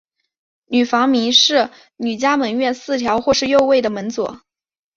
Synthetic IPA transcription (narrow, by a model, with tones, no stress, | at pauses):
ny˨˩fɑ˧˥ŋmi˧˥ʂɻ̩˥˩ | ny˨˩t͡ɕja˥mə˧˥nɥɛ˥˧nsɹ̩˥˩t̪ʰjɑ˧˥ʊxwɔ˥˧ʂɻ̩˥˧jo˥˧ʊwe˥˩ɪd̪ə˩mə˧˥nt͡swɔ̰˨˩˦